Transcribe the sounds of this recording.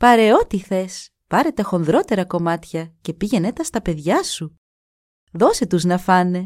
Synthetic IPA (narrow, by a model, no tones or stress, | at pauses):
pɐɾe̞o̞t̪iθe̞s | pɐɾe̞t̪exo̞nðɾo̞t̪e̞ɾɐko̞mɐt̪çɐce̞piʝe̞ne̞t̪ɐst̪ɐpe̞ðʝɐsu | ðo̞se̞t̪uznɐfɐne̞